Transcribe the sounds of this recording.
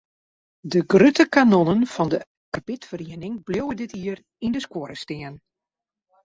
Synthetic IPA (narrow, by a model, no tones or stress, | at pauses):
dəɡrytəkanonənfɔndə | kapɪtfəriənɪŋblowədɪtiər | indəskwoəɾəstɪən